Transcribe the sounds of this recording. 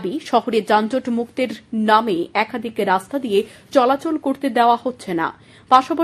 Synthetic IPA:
biʃɔɦoɾed͡ʑand͡ʑoʈmukt̪eɾnameɛkʰad̪ʱikeɾast̪ad̪ijet͡ɕɔlat͡ɕolkoɾt̪ed̪eoahotːɕʰena̰ | paʃapa

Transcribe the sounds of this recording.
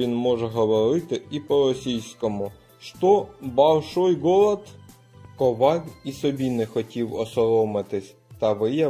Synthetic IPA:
inmɔʐɛɦɐʋɐɾɪt̪ɪipɔɾɔsʲijskɔmʊ | ʂt̪ɔbɐwʲˠʂɔjɡɔlˠɐt̪ | kɔʋɑlʲisɔbʲinɪxɔtʲiwɔsɔɾɔmɪt̪ɪsʲ | t̪ɐʋɪjɛ

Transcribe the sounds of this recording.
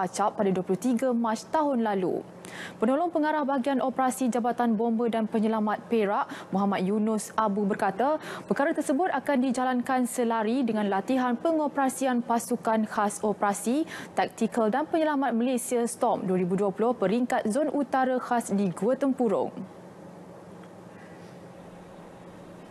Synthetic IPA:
at͡ʃapːadaduəpulʊht̪iɡamat͡ʃt̪aɦʊnlalṵ | pənɔlɔŋpəŋaɾahbaɦaɡianʔɔpəɾasid͡ʒabat̪anbombədanpəɲəlamat̪̚peɾaʔmuɦamat̪̚junʊsabubərkat̪apəkaɾat̪ərsəbʊt̪akandid͡ʒalankansəlaɾidəŋãnlat̪iɦanpəŋopəɾasianpasukanhasɔpəɾasit̪ɛk̚t̪ikəldanpəɲəlamat̪̚məlesiast̪ɔp̚duəɾibuduəpulʊhpəɾiŋkat̪̚zonʔut̪aɾahasdiɡuət̪əmpuɾʊ̰ŋ

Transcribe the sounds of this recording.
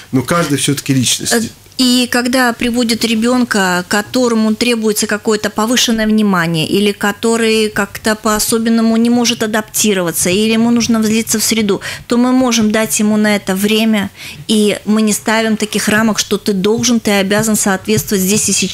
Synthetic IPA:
nokaʐd̪ɨjfsʲɵt̪ə̥kʲɪlʲit͡ɕnə̰sʲ | ikɐɡd̪apɾʲɪvo̞dʲɪt̪ɾʲɪbʲo̞nkəkɐt̪o̞ɾəmʊt̪ɾʲe̞bʊjɪt̪səkɐko̞jət̪əpɐvɨʂɨnːəjəvnʲɪmanʲɪjə̰ʔilʲɪkɐt̪o̞ɾɨjkakt̪əpəɐso̞bʲɪnːəmʊnʲɪmo̞ʐɨt̪ɐd̪ɐptʲiɾəvət̪səilʲɪjɪmunuʐnəvzʲlʲit̪səfsʲɾʲɪd̪ut̪o̞mɨmo̞ʐɨmd̪atʲjɪmunɐɛt̪əvɾʲemʲəimɨnʲɪst̪avʲɪmt̪ɐkʲixraməkʂt̪o̞t̪ɨd̪o̞lˠʐɨnt̪ɨɐbʲazənsɐːt̪vʲe̞t̪st̪vətʲzʲdʲesʲɪsʲɪ

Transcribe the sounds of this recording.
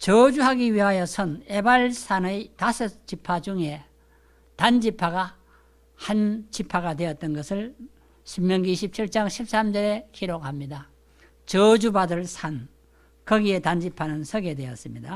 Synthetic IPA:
t͡ɕʌd͡ʑuɦaɡiɥiɦajʌsʰʌne̞baɭsʰanɯjtasʰɯt͡ɕipʰad͡ʑuŋe̞ | tand͡ʑipʰaɡa | hant͡ɕipʰaɡadwe̞ʌt̚t͈ʌnɡʌsʰɯɭ | ɕʰimɲʌŋiɕʰip̚t͡ɕʰiɭt͡ɕ͈aŋɕʰip̚s͈amd͡ʑʌɾe̞kiɾokhamɲida | t͡ɕʌd͡ʑubadɯɭsʰan | kʌɡie̞tand͡ʑipʰanɯnsʰʌɡe̞dwe̞ʌs͈ɯmɲida

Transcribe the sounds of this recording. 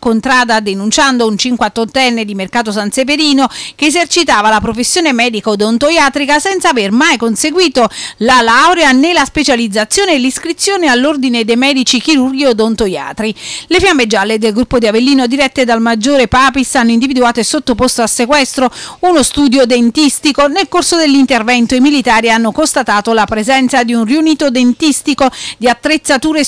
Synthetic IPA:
kont̪ɾaːd̪ad̪enunt͡ʃand̪ount͡ʃiŋkwat̪ːont̪ːɛnːed̪imerkaːt̪̬os̬ant̪sep̬eɾiːnokeːzert͡ʃit̪aːvalapɾofesːjoːnemɛːd̪ikd̪ont̪ojaːt̪ɾikasɛnt̪savermajkonseɡwiːt̪olalawɾeanelaspet͡ʃalid̪zat̪sːjoːneːlːiskɾit̪sːjoːnealːord̪ined̪emɛːd̪it͡ʃik̟iɾurɡjod̪ont̪oja̰ːt̪ɾilefjamːed͡ʒaled̪elɡɾupːod̪iavelːiːnod̪iɾɛt̪ːed̪almad͡ʒːoːɾepaːpisanːoind̪ivid̪uaːt̪oesot̪ːopost̪oasːekwɛst̪ɾounost̪uːd̪jod̪ent̪ist̪ikonelkorsod̪elːint̪ervɛnt̪oimilit̪aːɾianːokost̪at̪aːt̪olapɾezɛnt̪sad̪iunriuniːt̪od̪ent̪ist̪ikod̪iat̪ːɾet̪sːat̪uːɾe

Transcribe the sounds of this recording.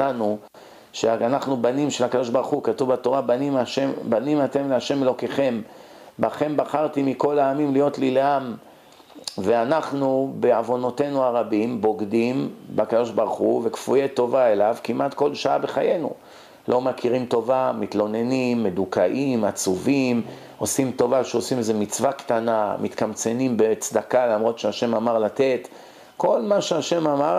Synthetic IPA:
anu | ʃeaanaχnubanimʃelhakad̪o̞ʃbaʁχukat̪uvbat̪o̞ʁabanimaʃebanimat̪e̞mleaʃe̞melo̞ke̞χe̞m | baχe̞mbaχaʁt̪imiko̞laːmimlijo̞t̪lileam | veanaχnube̞avo̞no̞t̪e̞nuaʁabimbo̞ɡd̪imbakad̪o̞ʃbaʁχuve̞kfujet̪o̞vae̞lavkimʔat̪ko̞lʃaabe̞χaje̞nṵ | lʔo̞makʰiʁimt̪o̞vamit̪lo̞ne̞nimːe̞d̪ukaʔimat͡suvim | o̞simt̪o̞vaʃeo̞simezemit͡svakt̪anamʔit̪kamt͡se̞nimbe̞t͡sd̪akalamʁo̞t̪ʃeaʃe̞mamaʁlat̪e̞t̪ | ko̞lmaʃeaʃe̞mama

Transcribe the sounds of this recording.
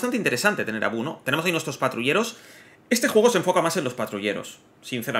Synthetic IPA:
t̪ant̪eint̪e̞ɾe̞sant̪e̞t̪e̞ne̞ɾa̰βunot̪eneosainwest̪ɾospat̪ɾuʎe̞ɾo̞s | e̞st̪exwe̞ɣ̞o̞seɱfo̞kamase̞nlospat̪ɾuʎe̞ɾo̞̰sː | inθeɾa

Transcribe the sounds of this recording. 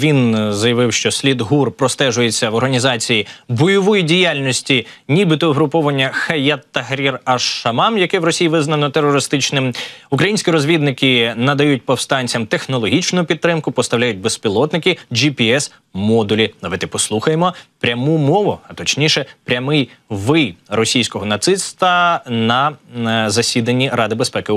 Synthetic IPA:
ʋʲinzɐjɐʋɪwʃt͡ʃɔsʲlʲid̪ɦurpɾɔst̪ɛʒʊjet͡sʲːɐʋɔrɦɐnʲizɑt͡sʲijibɔjɔʋɔjidʲijalʲnʲɔsʲtʲinʲibɨt̪ɔɦɾʊpɔʋɐnʲːɐxɐjɐt̪ːɐɦɾʲirɐʃɐmɑmjɐkɛʋɾɔsʲijiʋɪznɐnɔt̪erɔɾɪst̪ɪt͡ʃnɪmukɾɐjinʲsʲkʲiɾɔzʲʋʲid̪nɪkɪnɐd̪ɐjut̚ʲpɔwst̪ɑnʲt͡sʲɐmt̪exnɔlˠɔɦʲit͡ʃnʊjʊpʲid̪̚t̪ːɾɪmkʊpɔst̪ɐwlʲajʊt̚ʲbespʲilˠɔt̪nɪkɪd͡ʒipʲiɛs | mɔd̪ʊlʲinɐʋɪt̪ɪpɔslˠuxɐjemɔpɾʲɐmumɔʋʊɐt̪ɔt͡ʃnʲiʃɛpɾʲɐmɪjʋɪjrɔsʲijsʲkɔɦɔnɐt̪sɪst̪ɐnɐzɐsʲid̪ɐnʲːiɾɑd̪ɪbespɛkɪ

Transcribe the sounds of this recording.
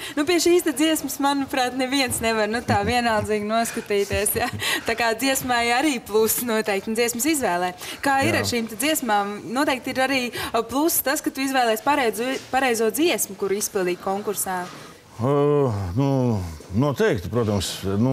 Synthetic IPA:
nupiɛʃiːst̪ɛd̪ziɛsmsmanupɾaːt̪nɛviɛnsnɛʋaɾnut̪aːviɛnalˠd̪ziːɡnuɔskat̪iːt̪iɛsjat̪akaːd̪ziɛsmajaɾiːplˠusnuɔt̪ɛjkt̪ndziɛsmsizʋɛːlˠɛːkaːiɾaʃiːmt̪ɛd̪ziɛsmaːmnuɔt̪ɛːk̚t̪iɾaɾiːplˠusːt̪askat̪uizʋɛːlˠɛːspaɾɛjzpaɾɛjzuɔd̪ziɛsmʊkuɾispilˠd̪iːkɔŋkuɾsaː | nunuɔt̪ɛjk̚t̪pɾuɔt̪ɐmsnu

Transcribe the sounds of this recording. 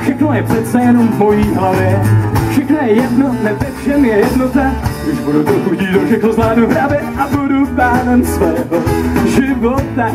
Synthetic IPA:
fʃɛxnojɛpr̥ɛt̪t͡sɛjɛnomːojiːɦlavɛfʃɛxnɛjɛdnot̪nɛvɛfʃɛmjɛjɛdnot̪aɾɪʃbuɾut̪oxuɟiːdofʃɛxnozmlaːdupɾaːvjɛʔabudupaːnɛnsvoɦoʒɪvot̪a

